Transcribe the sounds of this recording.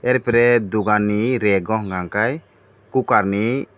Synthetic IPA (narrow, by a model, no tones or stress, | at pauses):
ɛɾpɾɛd̪uɡaniɾɛɡɔɦɡaŋkaj | kukaɾni